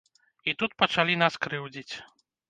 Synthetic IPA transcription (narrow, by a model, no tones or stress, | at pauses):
it̪ut̪̚pɐt͡ʂalʲinaskɾɨwd͡zʲit͡sʲ